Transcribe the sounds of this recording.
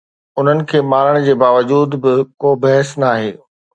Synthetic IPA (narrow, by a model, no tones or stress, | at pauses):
ʊn̤ənɪ̆kʰeːmaːɾəɽ̃d͡ʑeːbaːʋəd͡ʑuːd̪bɪkoːbɐɦəsnaːɦeː